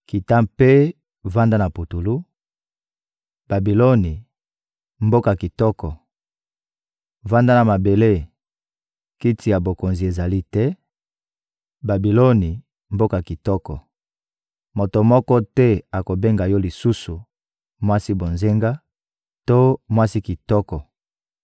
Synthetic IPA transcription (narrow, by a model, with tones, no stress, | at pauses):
ki˨ta˦pe˦ | va˦nda˦na˨pu˨tu˨lu˦ | b̥a˨bi˨lo˦ni˨ | mbo˦ka˨ki˨tɔ˦kɔ˨ | va˦nda˦na˨ma˨be˨le˦ | ki˦ti˨ja˨bo˨ko˨nzi˨e˨za˨li˦tɛ˦ | ba˨bi˨lo˦ni˨ | mbo˦ka˨ki˨tɔ˦kɔ˨ | mo˨to˨mɔ˦kɔ˦tɛ˦a˨ko˨be˦ŋɡa˨jɔ˦li˨su˦su˨ | mwa˦si˦bo˨nze˦ŋɡa˦ | to˦mwa˦si˦ki˨tɔ˦kɔ˨